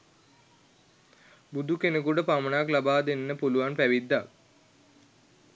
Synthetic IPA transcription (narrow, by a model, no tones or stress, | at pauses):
bud̪ukenekuʈəpamənaklabaːd̪enːəpuluʋanpæʋid̪ːak